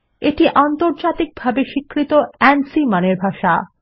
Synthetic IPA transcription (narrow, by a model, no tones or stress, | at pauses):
eʈiʔant̪oɾd͡ʑat̪ik̚bʱabeʃikːɾit̪oɛnsimaneɾbʱaʃa